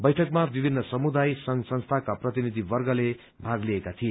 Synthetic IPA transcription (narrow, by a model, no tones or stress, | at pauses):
bʌjʈʰʌkmabibʱinːʌsʌmud̪ajsʌŋsʌnst̪ʰakaprʌt̪inid̪ʱibʌrɡʌle | bʱaɡliekat̪ʰie